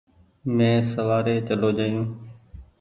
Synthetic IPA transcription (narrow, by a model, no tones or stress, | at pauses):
mẽːsəʋaːɾeːt͡ʃəloːd͡ʒaːjũː